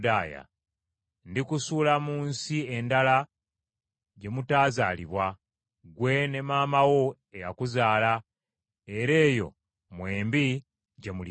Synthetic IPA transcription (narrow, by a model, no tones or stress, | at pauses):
daːja̰ | ndikusuːlamuːnsie̞ndala | ɟe̞mutaːza̰ːliβwa | ɡwe̞ne̞maːmawo̞ | eja̰kuzaːla | e̞ɾe̞ːjo̞̰ | mwe̞ːmbi | ɟe̞muli